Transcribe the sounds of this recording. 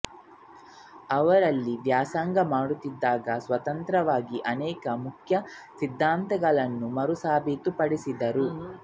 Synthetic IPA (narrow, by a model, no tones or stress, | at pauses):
ɐʋɐɾɐlːiʋjaːsaːŋɡɐmaːɽut̪ːid̪ːaːɡɐsʋɐt̪ɐnt̪ɾɐʋaːɡiʔɐnɛːkɐmukʰjɐ | sid̪ʱːaːnt̪ɐɡɐɭɐnːumɐɾusaːbʱit̪upɐɽisid̪ɐɾu